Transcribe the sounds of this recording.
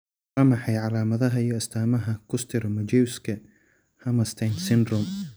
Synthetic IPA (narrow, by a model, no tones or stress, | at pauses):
ɐmɑħɑjʕɑlaːmɐðɐɦɐijɔɪst̪ʰaːmɐɦɐkʰʊst̪ʰɪrmɐd͡ʒɛwskʰɐ | hɐmɐst̪ʰɐjnsɪnd̪ɾʊm